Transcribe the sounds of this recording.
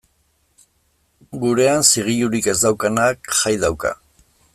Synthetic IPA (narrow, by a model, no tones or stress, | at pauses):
ɡuɾe̞ansiɣ̞iʎuɾike̞zd̪awkanakʝajðawka̰